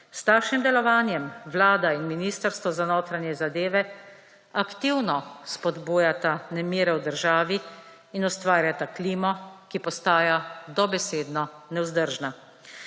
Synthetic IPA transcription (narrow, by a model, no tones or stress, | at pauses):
st̪aːʃimd̪ɛlɔʋaːnjɛmʋlaːd̪ainminiːst̪əɾst̪ʋɔzanoːt̪ɾanjɛzad̪eːʋɛ | akt̪iwnɔspɔd̪buːjat̪anɛmiːɾɛwd̪əɾʒaːʋiː | nɔst̪ʋaːɾjat̪akliːmɔkipɔst̪aːjad̪ɔbɛseːd̪nɔnɛwzd̪əɾʒna